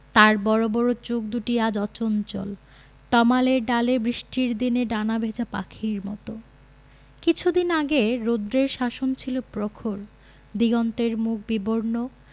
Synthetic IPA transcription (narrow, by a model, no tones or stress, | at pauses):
t̪aɾbɔɾobɔɾot͡ɕok̚d̪uʈiad͡ʑɔt͡ɕont͡ɕo̰l | t̪ɔmaleɾɖalebɾiʃʈiɾd̪ineɖanabʱed͡ʑapa̰kʰiɾmɔ̰t̪o | kit͡ɕʰud̪inaɡeɾod̪ɾeɾʃaʃont͡ɕʰilopɾokʰoɾ | d̪iɡɔnt̪eɾmuk̚ʰbiboɾno